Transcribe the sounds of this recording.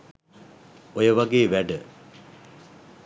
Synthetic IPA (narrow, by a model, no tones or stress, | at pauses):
ojəʋaɡeːʋæɖə